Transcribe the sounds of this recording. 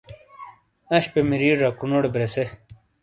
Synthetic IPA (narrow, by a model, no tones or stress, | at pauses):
ɐɕpemiɾiːɾɾakunoɽebɾese